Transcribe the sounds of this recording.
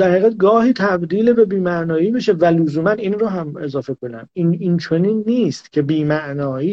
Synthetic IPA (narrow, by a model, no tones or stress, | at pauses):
d̪æɾhiːɣæd̪̚ɡɒːhiːt̪ʰæbd̪iːlebe̞biːmæʔnɒːiːbeʃe̞vælozuːmæninroɦæme̞zɒːfe̞kʰo̞næ̰minint͡ʃʰo̞niːnːiːst̪cʰe̞biːmæʔnɒːiː